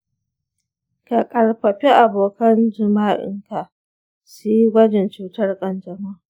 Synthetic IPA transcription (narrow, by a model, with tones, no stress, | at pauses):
ka˨kʼɐ˨ɽɸɐ˨ɸi˦ʔa˨boː˨kɐ˦nd͡ʒɪ˨maː˦ʔɪ̰˦ŋka˨ | si˦jɡʷɐ˦d͡ʒɛ˨nt͡ʃuː˨tɐ˦rkʼɐ˨nd͡ʒɐ˨ma˦